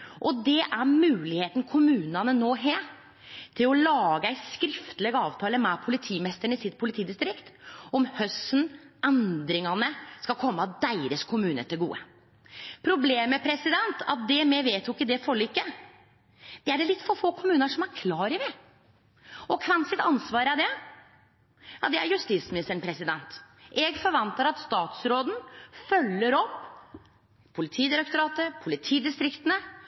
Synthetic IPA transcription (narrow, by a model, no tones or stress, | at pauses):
ʔɔd̪ɛʔæɾmʉːlɪheːt̪n̩kʰʊmʉːnɑnənoːɦeː | t̪ʰɪlɔlɑːɡəæɪskɾɪft̪əlɛɡɑːʋt̪ʰɑːləmɛpʰʊlɪt̪ʰiːmɛst̪əɳəɪsɪt̪pʰʊlɪt̪ʰiːd̪ɪst̪ɾɪkt̪ɔmhœsnɛnd̪ɾɪŋɑnəskɑlkʰɔmːɑd̪æɪɾəskʰʊmʉːnə̰t̪ʰɪlɡṵːə̰ | pʰɾʊbleːmːɛpʰɾɛsɪd̪ɛnt̪ʰɑ̰t̪̚d̪ɛmɛʋeːt̪jʊɪkːəd̪ɛfɔɭiːkːə | d̪̥ɛæɖɛlɪt̪ːfɔɾfoːkʰʊmʉːnəʂɔmæɾkʰlɑːɾɪʋɛ | ɔkʰʋɛnsɪt̪ɑnsʋɑːɾæd̪ɛ | jɑd̪ɛæ̰ɾjʉst̪iːt̪smɪnɪst̪əɳpʰɾɛsɪd̪ɛnt̪ | ʔɛɡfɔɾʋɑnt̪əɾɑt̪st̪ɑːt̪sɾoːd̪n̩fœlːəɾɔpː | pʰʊlɪt̪ʰiːd̪ɪɾɛkt̪ʊɾɑːt̪əpʰʊlɪt̪ʰiːd̪ɪst̪ɾɪkt̪ənə